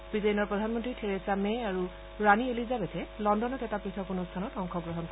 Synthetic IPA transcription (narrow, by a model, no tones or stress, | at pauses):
b̥izejnɔɹpɹɔdʱanmɔntɹitʰeɹesamɛaɹu | ɹanielizabetʰɛlɔndɔnɔtɛtapɹitʰɔkunʊstʰanɔtɔŋkʰɔɡɹɔɦɔnkʰ